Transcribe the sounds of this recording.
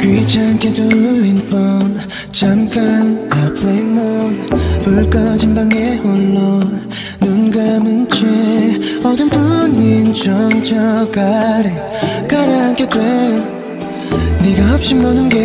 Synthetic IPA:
kwit͡ɕʰankʰetulːinfʌn | t͡ɕʰamk͈anapʰleimːonpɯɭk͈ʌd͡ʑimbaŋeoɭːo | nunɡamɯnt͡ɕʰe | ʌd̪ɯnpʰuɲint͡ɕʌnt͡ɕʰʌkaɾe | kaɾankʰetwe | neɡaɦʌp̚ɕ͈imːʌnɯnɡe

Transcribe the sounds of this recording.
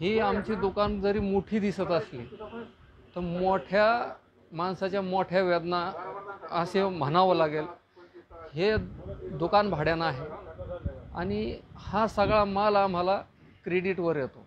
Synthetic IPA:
ɦiamt͡ɕiːd̪ukand͡zəɾiːmuʈʰiːd̪isət̪əsliː | t̪əɾmoʈʰja | mansat͡ɕjamoʈʰjaʋəd̪na | əsem̤ənaʋəlaɡel | hed̪ukanbʱaɽjanaɦe | a̰ɽ̃ihasəɡɭamalaːm̤ala | kɾeɽiʈʋəɾjet̪o

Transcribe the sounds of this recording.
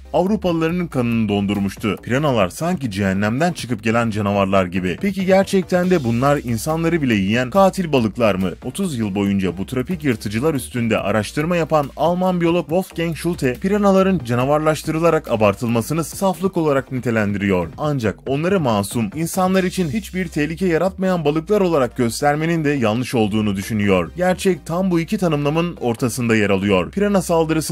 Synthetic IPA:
avɾupʰalˠaɾɯnɯnkʰanɯnɯd̪o̞nd̪uɾmuʃt̪ʰupʰiɾanalˠaɾsaɲcid͡ʒiɦɛnːæmd̪ænt͡ʃʰɯ̥kɯp̚ɟe̞lʲænd͡ʒanavaɾlˠaɾɟibipʰe̞ciɟæɾt͡ʃʰɛc̚t̪ʰænd̪ɛbunlˠaɾinsanlˠaɾɯbilʲɛjijænkʰaːt̪ʰilʲbalˠɯklˠaɾmɯo̞t̪ʰuzjɯlˠbo̞jund͡ʒabut̪ʰɾopicjɯɾt̪ʰɯd͡ʒɯlˠaɾyst̪ʰynd̪ɛ̰ʔa̰ɾaʃt̪ʰɯɾmajapanalˠmanbijo̞lˠo̞kvofcɛnʃulʲˠt̪ʰɛpʰiɾanalˠaɾɯnd͡ʒanavaɾlˠaʃt̪ʰɯɾɯlˠaɾakabaɾt̪ʰɯlˠmasɯnɯsaflˠɯko̞lˠaɾaknit̪ʰe̞lʲænd̪iɾijo̞ɾand͡ʒako̞nlˠaɾɯmaːsuminsanlˠaɾit͡ʃʰinit͡ʃbiɾt̪ʰɛhlʲicʰɛjaɾat̪majanbalˠɯklˠaɾo̞lˠaɾak̚ɟ̥ø̞st̪ʰæɾme̞nind̪ɛjalˠɯʃo̞lˠd̪uːnud̪yʃynyjo̞ɾɟæɾt͡ʃʰɛc̚t̪ʰambuicʰit̪ʰanɯmlˠamɯno̞ɾt̪ʰasɯnd̪ajaɾalˠɯjo̞ɾpʰiɾanasalˠd̪ɯɾɯsɯ

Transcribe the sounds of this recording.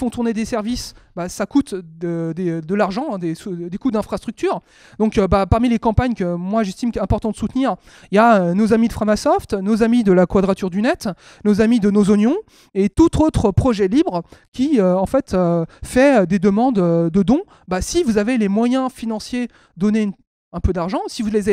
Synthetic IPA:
fɔ̃t̪uʁned̪esɛʁvisbasakut̪d̪əd̪ed̪əlaʁʒɑ̃ɛ̃d̪esud̪ekud̪ɛ̃fχast̪χyk̚t̪yːʁ | d̪ɔ̃kbapaʁmilekɑ̃paɲkəmwaʒɛst̪imkɛ̃pɔʁt̪ɑ̃d̪ə̥sut̪niʁ | iljaønozamid̪əfχamasɔft̪nozamid̪əlakwad̪ʁat̪yʁd̪ynɛt̪ | nozamid̪ənozɔnjɔ̃ | et̪ut̪ʰot̪χəpχɔʒɛlibʁkʲiøɑ̃fɛt̪øfɛød̪ed̪əmɑ̃d̪ød̪əd̪ɔ̃ | basivuzavelemwajɛ̃finɑ̃sje | d̪ɔne | ɛ̃pød̪aʁʒɑ̃sivulez

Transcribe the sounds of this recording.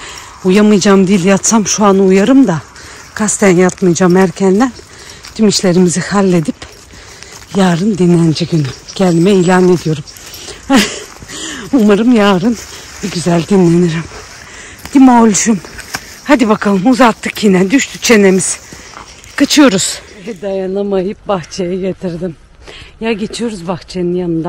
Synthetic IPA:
ujamɯjd͡ʒaːmd̪ilʲjat̪samʃuanujaɾɯmd̪a | kʰast̪ʰænjat̪mɯjd͡ʒaːmæɾcʰɛnd̪æn | t̪ʰymiʃlʲe̞ɾimizihalʲːe̞d̪ip | jaːɾɯnd̪inːænd͡ʒɛɡynycʰɛnʲd̪imɛiːlʲaːne̞d̪ijo̞ɾum | umaɾɯmjaːɾɯn | biɟyzælʲd̪inlʲeniɾim | d̪̥imaolʲʒum | had̪ibakʰalˠɯmuzat̪ʰːɯkjinɛd̪yʃt̪ʰyt͡ʃʰe̞ne̞miz̥ | kʰɯt͡ʃʰɯjo̞ɾuz̥ | d̪ajanlˠamajɯp̚baxt͡ʃʰejɛɟe̞t̪ʰiɾd̪im | jaɟe̞t͡ʃʰijo̞ɾuzbaxt͡ʃʰeninjanɯnd̪a

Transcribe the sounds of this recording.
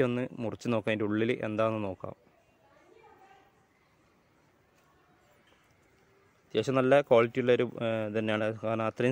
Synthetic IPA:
o̞nːɨmurɐt͡ɕːuno̞ːkːaːmiɾuɭːilʔe̞̰nd̪aːʋonːɨno̞ːkːa̰ːm | d̪jeːɕɐmnɐlːɐkoːɭitʲːijuɭːɐoɾut̪ɐnːejaːɳɨanaːt̪rɐ

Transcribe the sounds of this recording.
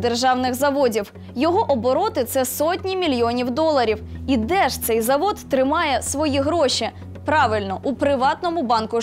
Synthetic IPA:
d̪erʒɑwnɪɣzɐʋɔdʲiw | jɔɦɔʔɔbɔɾɔt̪ɪt̪sɛsɔtʲnʲimʲilʲjɔnʲiwd̪ɔlˠɐɾʲiwid̪ɛʃt̪sɛjzɐʋɔd̪t̪ɾɪmɑjɛsʋɔjiɦɾɔʃʲi | pɾɑʋɪlʲnɔʔupɾɪʋɑt̪nɔmʊbɑnkʊ

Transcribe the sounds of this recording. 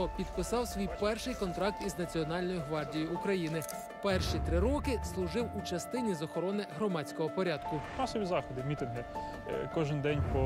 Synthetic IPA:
ɔpʲid̪pɪsɑwsʲʋʲijpɛrʃɪjkɔnt̪ɾɑk̚t̪iznɐt͡sʲiɔnɑlʲnɔjʊɦʋɑrdʲijʊːkɾɐjinɪ | pɛrʃit̪ɾɪɾɔkɪslˠʊʒɪwut͡ʃɐst̪ɪnʲizɔxɔɾɔnɪɦɾɔmɑt͡sʲkɔɦɔpɔɾʲɑd̪kʊmɑsɔʋʲizɑxɔd̪ɪmʲit̪ɪnɦɪ | kɔʒɪnd̪ɛnʲpɔ

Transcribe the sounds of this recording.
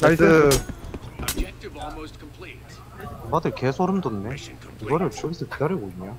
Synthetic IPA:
nasɯ | madɯɭkesʰoɾɯmdonːe | kɯɡʌɾɯɭsʌbis͈ʰʌkidaɾʌɡoiɲɲjo

